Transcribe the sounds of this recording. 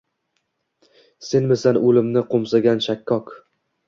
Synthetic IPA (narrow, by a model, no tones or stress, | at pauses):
se̞nmɪsanolɪmnɪqʰomsaɡʲanʃakʲʰːɒk